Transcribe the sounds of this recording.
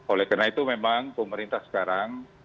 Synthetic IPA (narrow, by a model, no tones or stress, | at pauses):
olɛhkənait̪umemaŋpəməɾint̪ahsə̥kaɾaŋ